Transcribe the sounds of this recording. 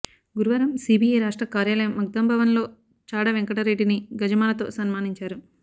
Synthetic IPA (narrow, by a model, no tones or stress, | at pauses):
ɡuɾuʋɐɾɐmsiːbʱijɐjɾaːʂʈɾɐkaːɾjaːlɐjɐmɐɡ̚d̪ɐmbʱɐʋɐnlo̞ː | t͡ʃaːɽɐʋeŋkɐʈɐɾeːɖiniɡɐd͡ʒɐmaːnɐt̪o̞̰ːsɐnmaːniɲt͡ʃaːɾu